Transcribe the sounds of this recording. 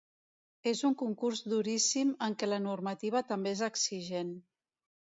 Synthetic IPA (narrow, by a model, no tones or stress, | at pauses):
ezuŋkuŋkuɾzd̪uɾisiməŋkɛlənurmət̪iβ̞ət̪əmbeezəksiʒen